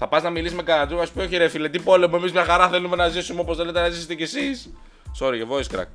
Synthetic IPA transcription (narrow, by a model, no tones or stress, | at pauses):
θɐpɐznɐmilisme̞kɐɐnd̪ɾuɐsu̥pio̞çiɾefilet̪ipo̞le̞mue̞mizmɲɐxɐɾɐθe̞lume̞nɐzisumeoposθe̞let̪enɐziset̪ecesis | so̞ɾiʝevo̞iskɾɐ̰k